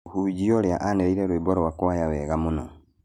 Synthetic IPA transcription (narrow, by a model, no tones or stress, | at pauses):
huɟioljaʔaneɾiɾeɾwiboɾowakuwajawɛɣamuno̰